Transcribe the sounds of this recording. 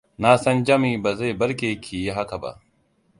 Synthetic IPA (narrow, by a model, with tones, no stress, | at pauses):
naː˦sɐ˦nd͡ʒɐ˦miː˨ba˨za˦jbɐ˦ɾkʲe˨kʲʰiː˨ji˦ɦa˦ka˨ba̰˦ʔ